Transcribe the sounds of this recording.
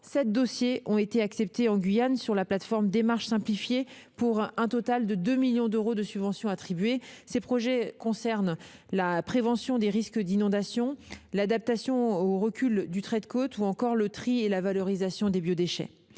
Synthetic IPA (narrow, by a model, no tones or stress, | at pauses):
sɛt̪̚d̪ɔsjeʔɔ̃et̪eaksɛp̚t̪eɑ̃ɡʲɥijansyʁlaplat̪fɔʁmd̪emaʁʃsɛ̃plifje | puʁɛ̃t̪ɔt̪ald̪əd̪ømiljɔ̃d̪øʁod̪əsybvɑ̃sjɔ̃at̪χibɥesepχɔʒɛkɔ̃sɛʁnlapχevɑ̃sjɔ̃d̪eʁiskd̪inɔ̃d̪asjɔ̃lad̪ap̚t̪asjɔ̃oʁəkʲyld̪yt̪χɛd̪kot̪uɑ̃kɔʁlət̪χielavalɔʁizasjɔ̃d̪ebjod̪eʃɛ̰